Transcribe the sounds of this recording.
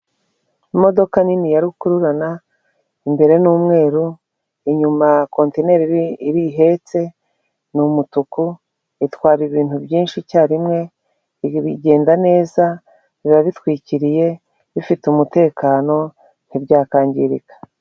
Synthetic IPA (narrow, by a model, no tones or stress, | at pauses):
imo̞do̞kaninijaɾikuɾuɾana | imbe̞ɾe̞nuːmŋe̞ːɾu | iɲumako̞ntene̞ɾiiɾiɦe̞t͡se̞ | numutuku | itwaːɾiβiːn̥tubjiːnʃicaːɾimŋe̞ | βiɟe̞ːndane̞ːza | βiβaβitwiːciɾije̞ | βifitumute̞ːkaːno̞ | n̥ibɟaːkaːɲɟiɾikḁ